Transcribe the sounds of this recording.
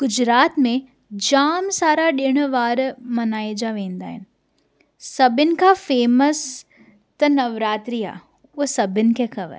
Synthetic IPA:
ɡ̥ʊd͡ʑɾaːt̪mẽ | d͡ʑaːmsaːɾaɗɪɽ̃ʋaːɾmɐnaːid͡ʑaʋẽːnd̪a̰ːɦɪnɪ̆ | sɐbɪnɪ̆kʰafeːməs | t̪ɐnɐʋɾaːt̪ɾia̰ː | ʊɦsɐbʱɪnɪ̆kʰexɐʋə̰ɾ

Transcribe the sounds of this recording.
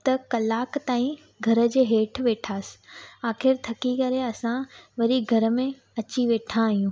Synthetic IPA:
t̪ɐkɐlaːkt̪aːĩ | ɡʱɐɾə̆d͡ʑeːɦeːʈʰʋeːʈʰaːsɪ̥aːxɪɾt̪ʰɐkikɐɾeɐsãʋɐɾiɡʱɐɾə̆mẽ | ɐt͡ɕiʋeːʈʰãːɦijũː

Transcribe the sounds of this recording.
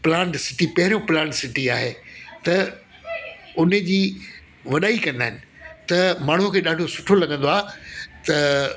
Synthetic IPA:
pɪlãːʈsɪʈipɐɦɪɾjõplãːɳʈsɪʈiaːɦeːt̪ɐ | ʊnə̆d͡ʑiː | ʋɐɗaːikɐ̃nd̪aːɦɪ̃nɪ̆ | t̪ɐmaːɽɳ̤ʊ̃kʰeːɗaːɖʱosʊʈʰolɐɡə̃nd̪oaːɦt̪ɐ

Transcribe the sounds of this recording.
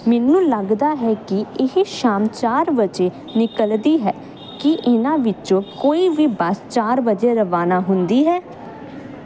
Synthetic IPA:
mɛːnũːləɡd̪aːɦɛːkɪɪɦeʃaːmt͡ʃaːɾʋəd͡ʒeː | nɪkəld̪iːɦɛː | kɪʔɪnãːʋɪt͡ʃõːkoːiːʋiːbəst͡ʃaːɾʋəd͡ʒeːɾəʋaːnaːɦʊnd̪iːɦɛː

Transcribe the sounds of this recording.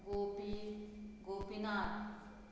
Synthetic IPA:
ɡoːpiɡoːpinaː

